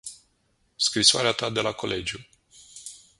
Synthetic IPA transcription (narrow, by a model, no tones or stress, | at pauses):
skɾisoa̰ɾeat̪ad̪e̞lako̞le̞d͡ʒju